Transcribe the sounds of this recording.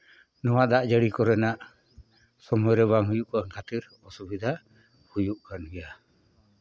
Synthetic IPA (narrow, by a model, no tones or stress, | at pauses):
nɔwad̪aʔd͡ʒəɽikɔɾɛnaʔ | sɔmɔjɾɛβaŋɦujuʔkaŋkʰat̪iɾ | ɔsubid̪ʱa | hujuʔkanɡɛja